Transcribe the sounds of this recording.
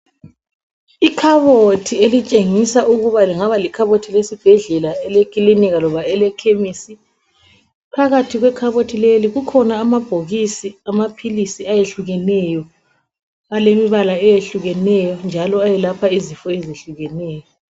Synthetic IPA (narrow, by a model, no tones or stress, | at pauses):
ikʰaβotʰielit͡ʃʼeŋisaʔuɣuβaliŋaβalikʰaβotʰilesib̥ʱɛɮɛlaɛlekʼiliniɣalɔβaɛlɛkʰemisi | pʰaɣatʰiɣwɛkʰaβotʰileliɣukʰɔnaːmab̥ʱoɣisiamapʰilisiajeɬuɣɛnɛjɔ | alemiβalaɛjeɬuɣɛnɛjɔnd͡ʒʱalɔajɛlapʰaizifɔeziɬuɣɛnɛːjɔ